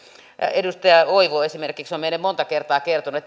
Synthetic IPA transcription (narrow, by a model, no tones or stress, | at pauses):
edust̪ɑjɑoiʋoesimerkiksomenːemmont̪ɑkert̪ɑːkert̪onuet̪ː